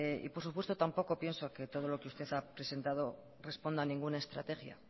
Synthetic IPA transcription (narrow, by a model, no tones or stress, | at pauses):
ḭpoɾsupwe̞st̪o̞t̪ampo̞ko̞pje̞nsoke̞t̪o̞ð̞o̞lo̞keust̪e̞θapɾe̞se̞nt̪að̞o̞ | re̞spo̞nd̪anĩŋɡunae̞st̪ɾa̰t̪e̞xja̰